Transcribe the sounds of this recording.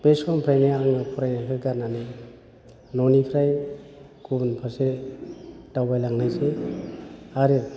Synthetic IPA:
b̥eskʰɔmpʰɾajnaaŋɯpʰɔɾajnakʰɯɡaɾnanɯ | nɔnipʰɾaj | kʰubnpʰase | tawbajlaŋnajse | aɾɯ

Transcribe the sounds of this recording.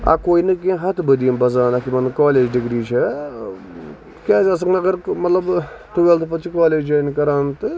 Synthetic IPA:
a̰koːinɨkiẽɦɐt̪ʰbəd̪iəmbɐzaːnɐkimɐnɨkaːleːd͡ʒɖiɡɾiːt͡ʃʰɛ | kʲaːsɐs̬ɐŋɡnɐɡɐɾmɐt̪lɐb | ʈuʋelt̪pɐt͡ʃʰikaːleːd͡ʒɐnikɐɾaːnt̪ɨ

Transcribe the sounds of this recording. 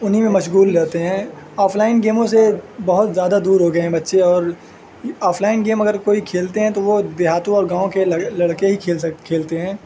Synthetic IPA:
ʊnɦimẽmɐʃɣuːlːɛɦt̪eɦɛ̃ː | aːpʰlaːɪnɡeːmõs̬ebɐɦʊt̪zjaːd̪ad̪uːɾɦoɡɐẽɦɛ̃bɐtːʃeɔːɾ | aːfʰlaːɪnɡeːmɐɡəɾkoːikʰeːlt̪eɦɛ̃t̪oʋod̪eɦaːt̪õɔːɾɡãːõkelɐɽkeɦikʰeːlkʰeːlt̪eɦɛ̃ː

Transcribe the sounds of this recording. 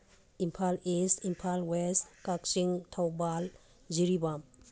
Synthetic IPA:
impʰalistʰimpʰalwestkak̚siŋtʰawbal | d͡ʒiɾibam

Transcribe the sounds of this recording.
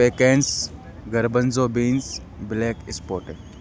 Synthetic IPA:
eːkeːns | ɡɐɾbənzoːbiːns | bleːkɪspoːʈe

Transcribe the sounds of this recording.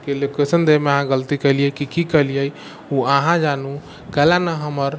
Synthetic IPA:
kelekesənd̪emeaɦãɡəlt̪ikəliəkikikəlijəj | uaɦãd͡ʒanu | kɛlanəɦəməɾ

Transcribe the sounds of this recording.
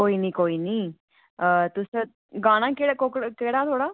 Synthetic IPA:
koːiːniːkoːiːniː | t̪ʊs | ɡãːɽ̃ãːkeɽkokɽkeːɽaːt̪ʰoːɽaː

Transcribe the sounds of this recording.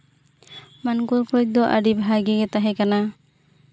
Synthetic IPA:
mankɔɾkɔj̚d̪ɔʔa̰ɖibʱɦaɡɛɡɛt̪aɦɛkana

